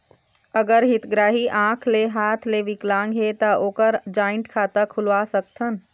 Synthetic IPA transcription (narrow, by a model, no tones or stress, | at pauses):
əɡəɾɦɪt̪ɡɾaːɦiʔãːkʰleɦaːt̪ʰleʋɪklãːŋɡɦet̪aoːkəɾd͡ʒaːɪ̃ɳʈkʰaːt̪akʰʊlʋaːsək̚t̪ʰən